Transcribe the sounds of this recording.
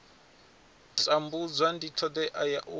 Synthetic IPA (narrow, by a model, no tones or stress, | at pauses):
t͡sʼambud͡zʷwanditʰɔd̪ɛʔajaʔu